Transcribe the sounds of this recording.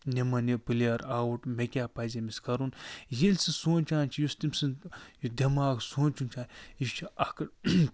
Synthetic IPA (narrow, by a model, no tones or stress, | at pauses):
nʲemɐnepɨlʲaɾaːwuʈmekʲaːpɐzʲɐmiskɐɾunjelʲsɨsoːnʲt͡ʃaːnt͡ʃʰijust̪imsɨnjud̪ʲɐmaːɡsoːnt͡ʃunt͡ʃʰaːniʃt͡ʃʰiʔɐkɐ